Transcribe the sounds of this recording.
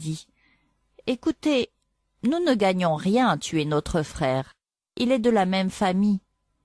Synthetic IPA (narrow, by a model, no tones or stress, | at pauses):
di | ekut̪e | nunəɡaɲɔ̃ʁjɛ̃t̪yɛnɔt̪χəfχɛːʁ | ilɛd̪əlamɛmfami